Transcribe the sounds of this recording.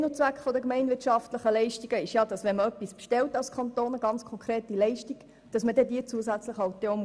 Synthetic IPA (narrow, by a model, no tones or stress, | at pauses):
not͡sʋækχfɔdəkmɛɪnvɪtʃɑftləχəlɛɪʃtiɡ̥əɪʃjɑdɑsvʋɛnməœpːispʃtɛltɑlskʰɑntoːnəɡɑnt͡skʰɔŋkʰʁeːtilɛɪʃtiɡ̥ | d̥ɑsmədɛdiːət͡suəsæt͡sləχɑʊt̪eom